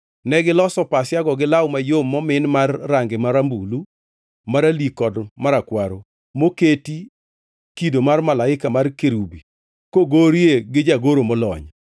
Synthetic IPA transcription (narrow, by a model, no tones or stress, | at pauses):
nɛɡɪlɔsɔpasɪjaɡɔɡɪlawmajomːɔmɪnmarːaŋɡɪmaɾambulu | maɾalikɔdmaɾakwaɾo | moketi | kidomarmalaɪkamarkeɾubi | koɡoɾjeɡɪd͡ʒaɡoɾomɔlɔ̰ɲ